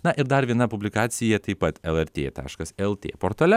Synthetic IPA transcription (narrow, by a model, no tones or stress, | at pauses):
nɐʔɪɾd̪ɐɾʋʲiɛnɐpʊbʲlʲɪkɑːt̪sʲɪjɛt̪ɐɪpɐt̪ɛlˠɛɾʲt̪ʲeːt̪ɑ̰ːʃkɐsɛlˠt̪ʲḛːpoːɾt̪ɐːlʲɛ